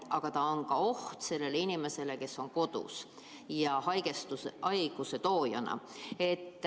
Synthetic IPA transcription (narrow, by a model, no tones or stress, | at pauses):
ʔɑɡ̥ɑt̪ɑo̞nkɑo̞ht̪se̞lːe̞leinime̞se̞le̞ke̞sːo̞ŋko̞d̪̥ṵs | jɑhɑjɡ̥est̪uɑjɡ̥use̞t̪o̞ːjɑ̰nɑ̰ | e̞t̪ː